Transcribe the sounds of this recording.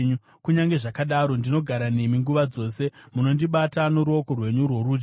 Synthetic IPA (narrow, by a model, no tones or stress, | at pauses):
ɲu | kuɲaŋɡe̞ʐakaɗaɾo̞ndino̞ɡʱaɾane̞miŋɡuʋad͡zo̞ːse̞muno̞ndiɓatano̞ɾuoko̞rwe̞ɲurwo̞ɾuːd͡ʒ